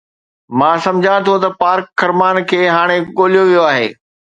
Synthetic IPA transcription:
mãːsɐ̃md͡ʑʱãt̪ʰot̪ɐpaːɾkːɐɾmaːnkʰeːɦaːɽ̃eɠoːlijoʋijoaːɦeː

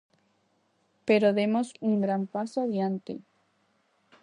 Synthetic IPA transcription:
peɾoðemo̞suŋɡɾampasoaðjant̪ḛ

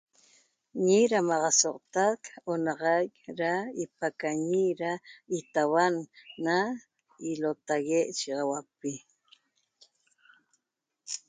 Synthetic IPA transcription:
ɲiɾamɑʁɑsoʔt̪akonɑʁɑjkɾaipakaɲiɾait̪awanːa | ilot̪aɣeʔʃiʁɑwapi

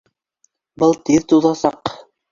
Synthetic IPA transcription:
bɤlˠt̪iðt̪uðɑsɑq

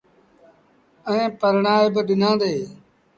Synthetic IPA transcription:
ə̃ẽːpəɾɳaːeːbɪɗɪnãːnd̪eː

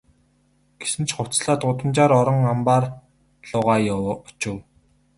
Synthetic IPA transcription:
ɡ̥e̥sɘ̆nt͡ɕʰχʊ̥t͡sɮaːt̪ʊt̪ə̆mt͡ɕaːɾɔɾɞ̆ŋampaːr | ɮʊːʁaːjʊwʰt͡ɕʊ̆w

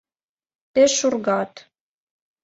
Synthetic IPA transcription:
peʃurɣɑt̪

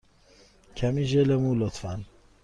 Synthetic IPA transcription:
cʰæmiːʒelemuːlot̪fæn

